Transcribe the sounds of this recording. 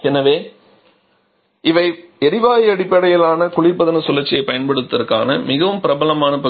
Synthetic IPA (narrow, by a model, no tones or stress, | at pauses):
ɛnːɐʋeː | ɪʋɐɪɛɾɪʋaːjɐɽɪpːɐɽɐjɪlaːnɐkʊɭɪɾpɐðɐnɐsʊlːɐt͡ʃːɪjɐɪpɐjɐnpɐɽɯt̪ːɐrkːa̰ːnɐmɪɣɐʋɯmpɪɾɐbɐlɐmaːnɐpɐ